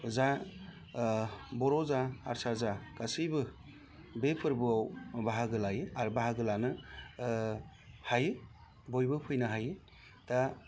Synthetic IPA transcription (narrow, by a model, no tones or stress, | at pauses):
za | bɔɾɔzaaɾsazakasijbɯ | bepʰɯɾbɯawbaɦaɡɯlajɯaɾbaɦaɡɯlanɯ | hajɯ | bojbɯpʰɯjnɯɦajɯ | ta